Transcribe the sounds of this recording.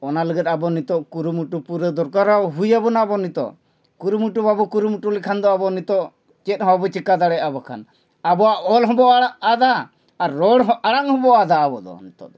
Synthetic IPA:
ɔnaləɡət̪̚abɔnit̪ɔʔkuɾumuʈupuɾed̪ɔɾkaɾaɦujabɔnabɔnit̪ɔ̰ʔ | kuɾumuʈubabɔkuɾumuʈulɛkʰand̪ɔabɔnit̪ɔʔ | t͡ʃɛt̪̚ɦɔ̃bɔt͡ʃikad̪aɽɛjabɔkʰa̰n | abɔaʔɔlɦɔbɔʔʔad̪aː | ɾːɔɽaɽaŋhɔbɔʔad̪aːbɔd̪ɔ̰nit̪ɔ̰d̪ɔ

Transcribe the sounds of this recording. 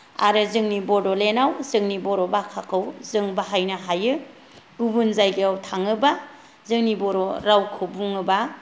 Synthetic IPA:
a̰ɾɯzɯŋnibɔdɔlenawzɯŋnibɔɾobakʰakʰɯwzɯŋbaɦajnaɦajɯ | ubunzajɡiawtʰaŋɯba | zɯŋnibɔɾoɾawkʰɯbuŋɯba

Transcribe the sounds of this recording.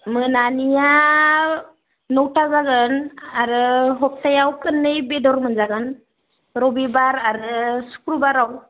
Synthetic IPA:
mɯnanija | nɔwtazaɡɯnaɾɯɦɔp̚tajawpʰɯnːɯjbedɔɾmɯnzaɡɯn | ɾɔbibaɾaɾɯsu̥kɾubaɾaw

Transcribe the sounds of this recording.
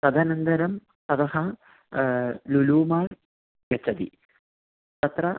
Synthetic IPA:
sɐd̪ʱaːnɐnd̪ɐɾɐm | sɐt̪ɐɦɐ | luluːmaːɽ | kɐt͡ʃːɐd̪ḭ | t̪ɐt̪ɾɐ

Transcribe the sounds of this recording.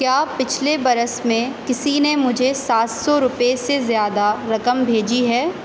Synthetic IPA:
kjaːpɪt͡ʃʰlebɐɾəsmẽkɪsinemʊd͡ʒʱesaːt̪sɔɾʊpesezjaːd̪aɾɐkəmbʱeːd͡ʒiɦɛː

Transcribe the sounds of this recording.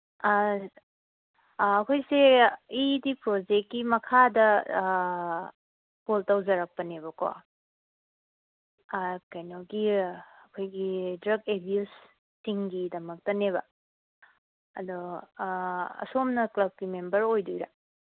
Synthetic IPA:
ɐkʰojseidipɾod͡ʒekːimɐkʰadɐ | poltawzɐɾɐk̚pɐnebɐko̰ | kajnoɡiɐkʰojɡidɾɐɡebjusː | iŋɡidɐmɐk̚tɐneβɐ | ɐ̰do | ɐ̰somnɐklɐb̚kimembɐɾojdojɾɐ

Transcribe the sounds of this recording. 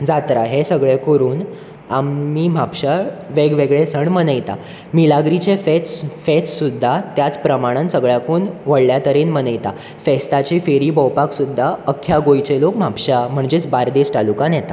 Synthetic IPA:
d͡zat̪ɾaɦesəɡɭekəɾuːn | amiːm̤apɕaʋeɡʋeɡɭesəɳmənəjt̪a | milaɡɾit͡ɕefet͡sfet͡ssud̪ʱːat̪jat͡spɾəmaɽ̃ənsəɡɭjakuːnʋəɽljat̪əɾenmənəjt̪a | fest̪at͡ɕefeɾiːbəwpaksud̪ʱːaəkʰːjaɡojt͡ɕelokm̤apɕam̤əɳd͡ʑet͡sbaɾd̪esʈ̪alukãnjɛt̪a

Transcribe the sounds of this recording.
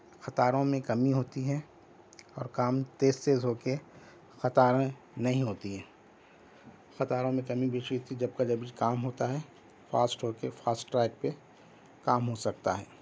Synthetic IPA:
xɐt̪aːɾõmẽkɐmiɦoːt̪iɦɛ̃ | ɔːɾkaːmt̪eːst̪eːzɦoːke | xɐt̪aːɾẽ | nɐɦĩɦoːt̪iɦɛ̃ː | xɐt̪aːɾõmẽkɐmibʱiʃiot̪id͡ʒɐb̚kad͡ʒɐbʱikaːmɦoːt̪aɦɛ | faːsʈɦoːkefaːsʈʈːɾɛːk̚pe | kaːmɦosɐk̚t̪a̰ɦɛː

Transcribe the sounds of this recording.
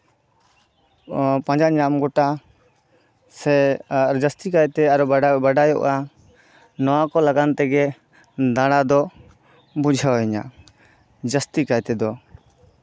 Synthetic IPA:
pãd͡ʒaɲamɡɔʈa | sɛɾd͡ʒəst̪ikajt̪ɛaɾɔbaɖajɔ̰ʔa | nɔwakɔlaɡant̪ɛɡɛ | d̪ãɽad̪ɔ | bud͡ʒʱawɛɲa̰ | d͡ʒəst̪ikajt̪ɛd̪ɔ

